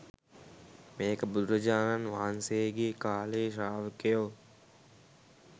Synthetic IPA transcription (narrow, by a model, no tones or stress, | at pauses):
meːkəbud̪ɾəd͡ʒaːnanʋaːnseeɡeːkaːleːʃaːʋəkejoː